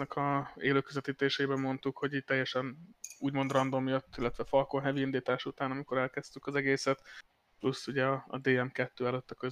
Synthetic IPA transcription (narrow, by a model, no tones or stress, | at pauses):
nɛkʰɒeːløːkøzɛt̪iːt̪eːʃeːbɛmo̞nt̪ukho̞ɟiːct̪ɛjːɛʃɛnuːɟmo̞nd̪rɒnd̪o̞mjøt̪ːilːɛt̪ʋɛfɒlkonɦɛviind̪iːt̪aːʃut̪aːnɒmiko̞ɾɛlkɛst̪ykɒzɛɡeːsɛt̪ | plusːuɟɛɒɒ̰d̪eːɛmkɛt̪ːøːɛløt̪ːɒkø